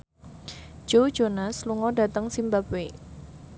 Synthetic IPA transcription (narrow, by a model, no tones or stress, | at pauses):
ʒ̥ow̥d͡ʒ̥onasluŋɔda̤t̪əŋsimbapwe